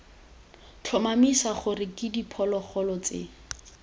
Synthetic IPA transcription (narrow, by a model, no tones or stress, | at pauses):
t͡ɬʰɔmamisaχʊrɪkʼɪdipʰɔlɔχɔlɔt͡sḛ